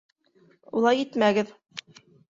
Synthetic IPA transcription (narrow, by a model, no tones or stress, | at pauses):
ulˠɑjit̪mæɡɘð